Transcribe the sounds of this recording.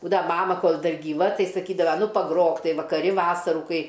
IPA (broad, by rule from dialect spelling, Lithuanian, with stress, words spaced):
ˈbuːdɐʋɐ ˈmɑːmɐ ˈkoːlˠ ˈdɐr ɡʲiːˈʋɐ ˈtɐɪ sɐˈkʲiːdɐʋɐ ˈnʊ pɐˈɡroːk ˈtɐɪ ʋɐkɐˈrʲɪ ˈʋɑːsɐruː ˈkɐɪ